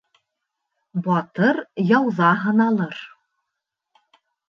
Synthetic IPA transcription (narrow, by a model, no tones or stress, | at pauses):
bɑt̪ɤɾjɑwðɑɦɤ̆nɑlˠɤɾ